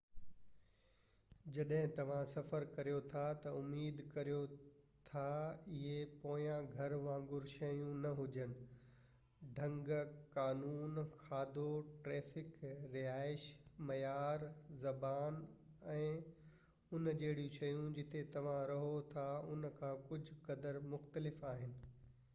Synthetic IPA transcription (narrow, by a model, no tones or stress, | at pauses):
d͡ʑɐɗɦɪ̃t̪ɐʋ̤ãsɐfəɾkɐɾijot̪ʰat̪ɐʊmiːd̪kɐɾijo | t̪ʰaɪɦepõːjãɡʱɐɾʋãːŋɡʊɾʃɐjũnɐɦʊd͡ʑənɪ̆ | ɖʱɐ̃ŋɡkaːnuːnxaːd̪oʈɾeːfɪkɾɪɦaːɪʃ | mɐjaːɾzɐbaːn | ɛ̃ː | ʊnd͡ʑeːɪɽijũʃɐjũd͡ʑɪt̪ʰet̪ɐʋ̤ãɾɐɦot̪ʰaʊnkʰãːkʊd͡ʑʱʊkɐd̪əɾmʊxt̪əlɪfaːɦɪnɪ̆